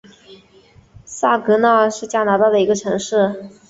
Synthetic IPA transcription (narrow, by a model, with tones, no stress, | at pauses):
sa˥˩kɤ˧˥na˥˧ʂɻ̩˥˩t͡ɕja˥˩na˧˥t̪a˥˩d̪ə˩i˧˥ɡə˧ʈ͡ʂʰɤ˧˥ŋʂɻ̩˥˩